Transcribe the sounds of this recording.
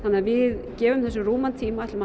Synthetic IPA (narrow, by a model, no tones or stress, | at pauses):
θanːɪavɪðcɛːvʏmθɛsːʏruːmant̪ʰiːmaat̪lma